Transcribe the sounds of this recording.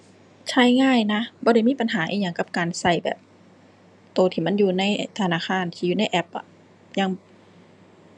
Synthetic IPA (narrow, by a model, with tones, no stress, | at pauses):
t͡ɕʰa˧˩jŋaː˧˥˨jna˧˦˥bɔː˧ɾa˧˩jmiː˧˥˨pa˨nɦaː˩˦ʔḭː˧˨ɲa˧˩ŋka˧˦p̚kaː˨nsa˧˩jbɛ̰ː˨˩p̚ | t̪oː˨˩t̪ʰiː˧˩ma˧˥˨njuː˧na˧˥˨jt̪ʰa˧naː˧˨kʰaː˧˥˨nt̪ʰiː˧juː˧˨na˧˥˩jʔɛ˧˥p̚ʔa̰˨˩ | jaː˧˩ŋ